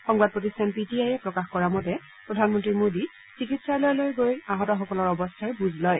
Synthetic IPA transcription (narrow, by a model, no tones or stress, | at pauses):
xɔŋbad̚pɹotistʰanpitiajɛpɹɔkaxkɔɹamɔtɛ | pɹɔdʱanmɔntɹimodi | sikitsalɔjlojɡojaɦɔtɔxɔkɔlɔɹɔbɔstʰaɹbuzʱlɔj